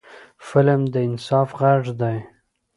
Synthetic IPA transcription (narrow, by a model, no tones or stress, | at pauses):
fɪlmd̪əɪnsɑfɣaʐd̪aj